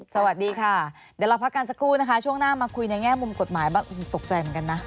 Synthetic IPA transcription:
sa˧wa˨˩t̪̚diː˧kʰa˥˩ | deː˨˧˩la˧pʰa˦˥kːaː˧ns̬a˧kʰɾuː˥˩na˦˥kʰa˦˥t͡ɕʰu˥˩əŋnaː˥˩maː˧kʰu˧jna˧jŋɛː˥˩mu˧mko˨˩t̪̚maː˩˦jbaː˥˩ŋ˧˩t̪o˨˩k̚t͡ɕa˧jmɯ˩˦ŋka˧nːa˦˥

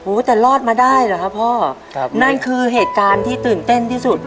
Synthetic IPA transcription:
huː˨˦t̪ɛː˨˩lɔː˥˩t̪̚maː˧daː˥˩jla˨˧˩kʰa˦˥pʰːɔː˥˩ | na˥˩nkʰɯː˧ɦeː˨˩t̪̚kaː˧nt̪ʰiː˥˩t̪ɯː˨˩nt̪e˥˩nt̪ʰiː˥˩su˨˩t̪̚

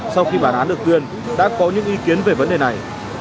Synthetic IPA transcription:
sa˧wxi˧ɓaː˧˩nʔaː˨˦nɗɨ˨˩ək̚t̪i˧ən | ɗa̰ː˧˥kɔ˨˦ɲɨ̰˧˥ŋʔi˨˦ki˨˦ənve˨˩və˨˦nɗe˨˩na˨˩j

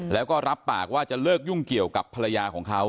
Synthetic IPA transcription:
lɛː˦˥wkɔː˥˩ɾa˦˥pːaː˨˩k̚waː˥˩t͡ɕa˨˩lɤː˥˩k̚ju˥˩ŋki˨˩əwka˨˩pʰːa˧ɾa˧jaː˧kʰɔː˩˦ŋkʰa˦˥w

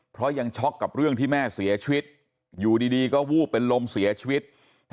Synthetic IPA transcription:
pʰɾɔ˦˥ja˧ŋt͡ɕʰɔ˦˥kːa˨˩p̚ɾɯ˥˩əŋt̪ʰiː˥˩mɛː˥˩si˨˩˦ɐt͡ɕʰi˧wi˦˥t̪̚ | juː˨˩diː˧diː˧kɔː˥˩wuː˥˩pe˧nlo˧msi˩˦ɐt͡ɕʰi˧wi˦˥t̪̚

